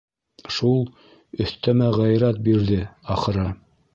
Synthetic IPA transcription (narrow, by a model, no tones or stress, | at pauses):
ʃulˠ | ɵ̆θt̪æmæʁæjɾæt̪̚biɾðɘɑχɤ̆ɾɤ